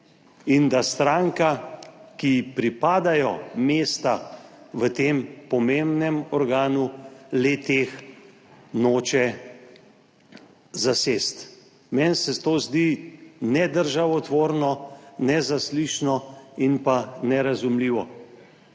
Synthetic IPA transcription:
ind̪ast̪ɾaŋkakipɾipaːd̪ajɔmeːst̪aʋət̪eːmpɔmembnɛmɔɾɡaːnulet̪eːx | noːt͡ʃɛ | zasest̪ | mɛnsɛt̪oːzd̪inɛd̪əɾʒaʋɔt̪ʋoːɾnɔnɛzasliʃnɔinpanɛɾazumliːʋɔ

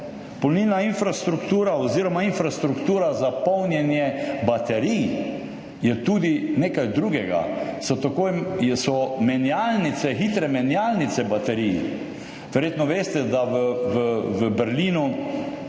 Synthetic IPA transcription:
pɔlnilnainfɾast̪ɾukt̪uːɾaoziːɾɔmainfɾast̪ɾukt̪uːɾazapɔwnjɛnjɛbat̪ɛɾiː | jɛt̪ud̪ineːkajd̪ɾuːɡɛɡa̰sɔt̪akoːjɛsɔmɛnjalnit̪sɛxiːt̪ɾɛmɛnjalnit̪sɛbat̪ɛɾij | ʋɛɾʲjeːt̪nɔʋeːst̪ɛd̪aʋəʋəʋəbɛɾliːnu

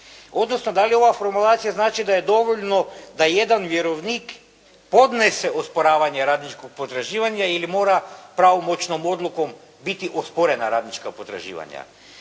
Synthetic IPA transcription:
o̞d̪nosnod̪alio̞ʋafo̞ɾmulˠaːt̪sijaznaːt͡ʃid̪ajed̪o̞ʋoʎnod̪ajed̪anʋjeɾoʋnik | pod̪neseʔospoɾaːʋaɲeɾaːd̪nit͡ʃkok̚pot̪ɾaʒiːʋaɲailimo̞ːɾapɾaʋomot͡ʃnomo̞d̪lˠukom | bit̪iʔospoɾenaɾaːd̪nit͡ʃkapot̪ɾa̰ʒḭːʋa̰ɲa̰

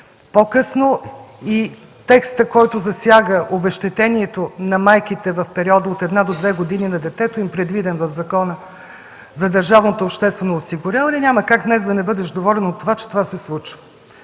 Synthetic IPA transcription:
pokɤsnoi | t̪ɛkst̪əkɔjt̪ʊzɐsʲjaɡəʔobɛʃt̪ɛt̪ɛniɛt̪onɐmajkit̪ɛvɐfpɛɾiɔd̪əot̪ɛd̪nad̪od̪vɛɡod̪ininɐd̪ɛt̪ɛt̪ʊimpɾɛd̪vid̪ɛnvɐvzɐkɔnə | zɐd̪əɾʒavnot̪oːpʃt̪ɛst̪vɛnoːsiɡʊɾʲjavəlʲinʲaməkakɡd̪nɛzd̪ɐnɛbɤd̪ɛʃd̪ovɔlʲɛnot̪ːovat͡ʃɛ̥t̪ovasɛslˠut͡ʃvə

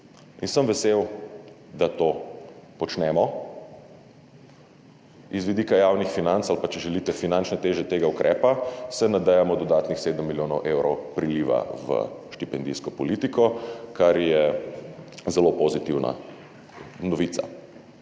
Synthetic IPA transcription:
insəmʋɛsew | d̪at̪oːpɔt͡ʃnɛmɔ | izʋid̪ikajawnixfinant̪salpat͡ʃɛʒɛlit̪ɛfinant͡ʃnɛt̪eːʒɛt̪eːɡaukɾʔɛːpasɛnad̪ɛjamɔd̪ɔd̪aːt̪nixseːd̪əmːiljoːnɔwʔewɾɔwpɾiliʋa̰ʋə̰ʃt̪ipɛnd̪ijskɔpɔlit̪ikʰɔkaɾjɛ | zɛlopozit̪iwna̰ | nɔʋiːt̪sa̰

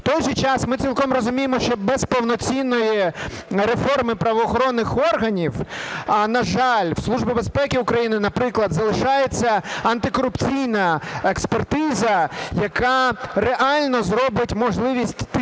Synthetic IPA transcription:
t̪ɔjʒɨt͡ʃɑsmɪt͡sʲilˠkɔmrɔzʊmʲijemɔʃt͡ʃɔbɛspɔwnɔt͡sʲinːɔji | ɾe̞fɔrmɪpɾɐʋɔːxɔɾɔnːɪxɔrɦɐnʲiwɐnɐʒɑlʲw̥slˠuʒbɪbespɛkʲɪʊkɾɐjinɪnɐpɾɪklˠɐd̪zɐlˠɪʃɑjet͡sʲːɐɐnt̪ɪkɔɾʊpt͡sʲijnɐekspert̪ɪzɐjɐkareʔalʲnɔzɾɔbɪtʲmɔʒlˠɪʋʲisʲtʲt̪

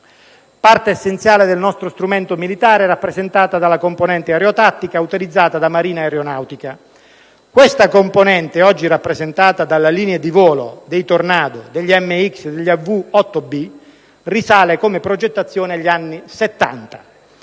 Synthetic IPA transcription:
part̪eːsːent̪sjaːled̪elnɔst̪ɾost̪ɾumɛnt̪omilit̪aːɾeɛrapːɾezent̪aːt̪ad̪alakomponɛnt̪eaɾeot̪at̪ːikaut̪ilid̪zːaːt̪ad̪amaɾiːnaeɾeonawt̪ika | kwest̪akomponɛnt̪eɔd͡ʒːirapːɾezent̪aːt̪ad̪alaliːnead̪ivɔːlo̰d̪ejt̪ornaːd̪od̪eʎːiɛmːeiksed̪eʎːavːuɔt̪ːobi | risaːlekomepɾod͡ʒet̪ːat̪sːjoːneʎːianːiset̪ːa̰nt̪ḁ

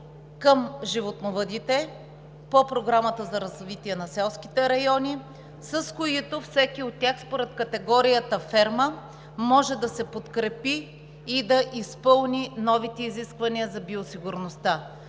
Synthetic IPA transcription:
kəmʒivot̪novəd̪it̪ɛ | popɾoɡɾamət̪əzɐɾɐzvit̪iɛnɐsɛlˠskʲit̪ɛɾɐjɔnʲi | sɐskoit̪ofsɛkʲiot̪̚tʲːaxspoɾɛt̪kɐt̪ɛɡɔɾijət̪əfɛɾmə | mɔʒɛd̪ɐsɛpot̪kɾɛpiː | d̪ɐʔispɤlˠninɔvit̪ɛiziskvɐniəzɐbiosiɡʊɾnost̪a

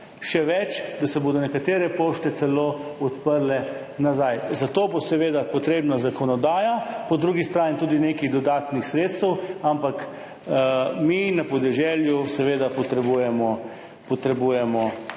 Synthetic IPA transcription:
ʃɛʋɛt͡ʃd̪asɛboːd̪ɔnɛkat̪eːɾɛpoʃt̪ɛt̪sɛloːɔt̪pəɾlɛ | nazajzat̪oːbosɛʋeːd̪apɔt̪ɾeːbnazakɔnɔd̪aːjapɔd̪ɾuːɡist̪ɾaːnit̪uːd̪ineːkiɣd̪ɔd̪aːt̪nixsɾeːt̪st̪əwampak | minapɔd̪ɛʒɛljusɛʋeːd̪apɔt̪ɾɛbujɛmɔ | pɔt̪ɾɛbujɛmɔ

